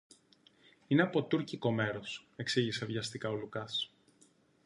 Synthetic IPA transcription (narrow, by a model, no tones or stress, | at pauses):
ineɐpo̞t̪uɾciko̞me̞ɾose̞ksiʝisevʝɐst̪ikɐo̞lukɐs